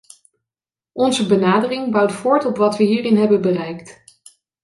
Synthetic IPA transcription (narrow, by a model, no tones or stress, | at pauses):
ʔɔnzəbənaːdərɪŋbɑwtfʊːɹtɔpʋɑtʋəɦiːrɪnɦɛbənbərɛjkt